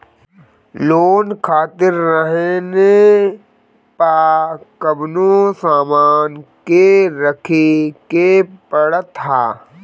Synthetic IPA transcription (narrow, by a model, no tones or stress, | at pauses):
loːnkʰaːt̪ɪɾːəɦene | paːkəbnosaːmaːnkeɾəkʰikepəɽət̪ʰɦaː